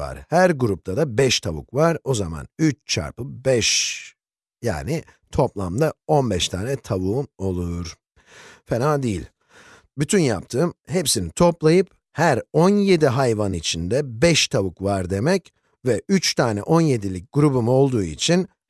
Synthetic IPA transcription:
a̰ɾ̥hæɾɡuɾup̚t̪ʰad̪abɛʃt̪ʰaβṵkvaɾo̞zama̰nyt͡ʃt͡ʃʰa̰ɾpɯbɛʃ | ja̰ːnɪ | t̪ʰo̞plˠamd̪ao̞nbɛʃt̪ʰaːnɛt̪ʰavuːmo̞lˠuɾ̥ | fenaːd̪ijḭlʲ | byt̪ʰynjap̚t̪ʰɯːmhepsinit̪ʰo̞plˠajɯp | hæɾo̞nje̞d̪iɦajvanit͡ʃʰind̪ɛbɛʃt̪ʰaβukvaɾd̪e̞mɛc | vɛyt͡ʃt̪ʰaːnɛ̰ʔo̞nje̞d̪ilʲic̚ʲɡ̥uɾubumo̞lˠd̪uːḭt͡ʃʰin

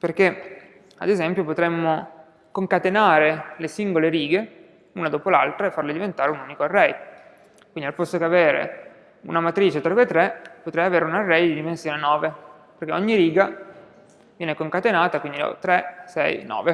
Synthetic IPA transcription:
perk̟e | a̰d̪ezɛmpjopot̪ɾemːo | koŋkat̪enaːɾelesiŋɡoleɾiːɡe | uːnad̪oːpolalt̪ɾaefːarled̪ivent̪aːɾeunuːnikoarːɛj | kwind̪ialpost̪okeaveːɾḛ | ṵnamat̪ɾiːt͡ʃet̪ɾɔpet̪ɾepot̪ɾɛjaveːɾeunarːɛjd̪id̪imensjoːnenɔːve | perk̟eoɲːiɾiːɡa | vjɛːnekoŋkat̪enaːt̪akwind̪ilo̰t̪ɾesɛ̰jnɔ̰ːve

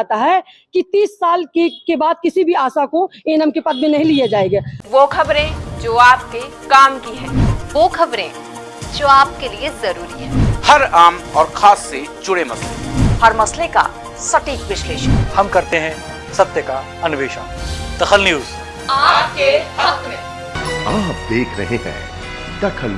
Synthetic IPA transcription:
t̪aɦɛkit̪iːsːaːlkekebaːd̪̚kɪsibʱiaːsakoeːnəmkepɐd̪mẽnɐɦĩlijad͡ʒaːeːɡaːʋoːkʰɐbɾẽd͡ʒoːaːp̚kekaːmkiɦɛ̃ːʋoːxʰɐbɾẽ | d͡ʒoːaːp̚keliezɐɾuːɾiɦɛ̃ːhɐɾaːmɔːɾxʰaːsːed͡ʒʊɽemɐslḛhɐɾmɐsleka̰ | sɐʈiːkʋɪʃleːʃənhɐmkɐɾt̪eɦɛ̃ | sɐb̚t̪əka | ɐnʊʋeːʃəːd̪̥ɐxəlnjuːz | aːpkeɦɐkmẽ | aːp̚d̪eːkʰɾɐ̰ɦẽɦɛ̰̃ː | d̪ɐkʰəl

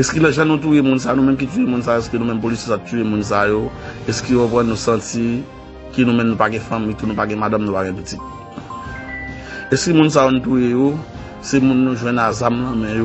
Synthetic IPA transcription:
ɛskilɛʒãnũt̪̬ujemũns̬anũmɛ̃mk̬ityemũnsajoɛskənũmɛ̃mp̬olisjosattyemũns̬ajo | ɛskijopɣãnːũsãt͡si | kənũmɛ̃mnũpaɡɛ̃fãmit̪unũpaɡɛ̃mad̪ãmnũpaɡɛ̃pit͡sit̪̚ | ɛskəmũns̬ajonũt̪ujejo | semũnːũʒw̃ɛ̃nazamlãmɛ̃jo

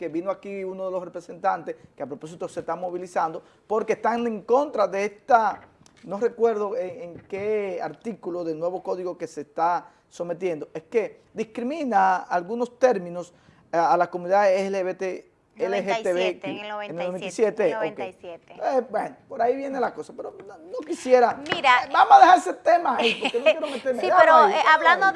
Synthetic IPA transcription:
ke̞βinoakiunoðelo̞sre̞pɾese̞nt̪ant̪eskeapɾopo̞s̬it̪ose̞st̪amo̞βilisand̪o̞ | po̞ɾkest̪aŋeŋko̞nt̪ɾaðeest̪a | nore̞kwe̞ɾðoeŋeŋkea̰ɾt̪ikuloðelnwe̞βo̞ko̞ðiɣo̞kese̞st̪a | so̞me̞t̪̬je̞nd̪o̞ʔeske̞ | d̪iskɾimĩnaalɣuno̞st̪e̞ɾmĩno̞s | alakomũniðaðeeβet̪e | eleɦeeβeeenelnoenisjet̪eokeebwenopoɾaiβje̞ne̞lako̞sapeɾononokisje̞ɾaiɾabamosaðe̞haɾeset̪e̞maːipokenojeɾomet̪eɾmeɣaɾoalando

